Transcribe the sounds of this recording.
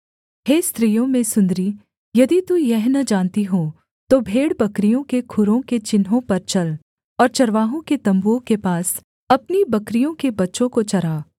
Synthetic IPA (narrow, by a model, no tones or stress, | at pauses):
heːst̪ɾijõmẽsʊ̃nd̪ɾiː | jɐd̪it̪ujɛɦnɐd͡ʒãːnt̪iɦoː | t̪obʱeːɽbɐkɾijõkekʰʊɾõket͡ʃɪnɦõpɐɾt͡ʃɐl | ɔːɾt͡ʃɐɾʋaːɦõket̪ɐ̃mbuõkepaːs | ɐpnibɐkɾijõkebɐtːʃõkot͡ʃɐɾaː